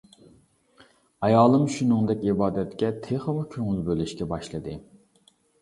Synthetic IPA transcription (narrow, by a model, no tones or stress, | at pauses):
ɑjɑːlˠɨmʃunɨŋd̪ɛkʲibɑːd̪ɛt̪kʲɛt̪ʰeχəmukʲʰøŋylbølɪʃkʲɛbɑʃlˠɨd̪ɨ